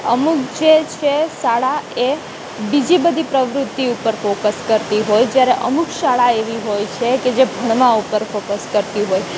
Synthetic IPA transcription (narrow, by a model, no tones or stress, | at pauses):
ə̰mukd͡ʒet͡ʃʰeʃaɭae | bid͡ʒibəd̪ʱipɾəʋɾʊt̪ːiupəɾfokəskəɾt̪iɦojd͡ʒjaɾeʔə̰mukʃaɭaeʋiɦojt͡ʃʰeked͡ʒebʱəɳ̃mãupəɾfokəskəɾt̪iɦoj